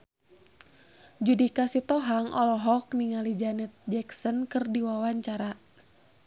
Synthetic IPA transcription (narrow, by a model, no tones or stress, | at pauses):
d͡ʒudikasit̪ɔɦaŋʔɔlɔɦɔkniŋalid͡ʒanɛt̪̚d͡ʒɛksənkɨrdiwawaɲt͡ʃaɾa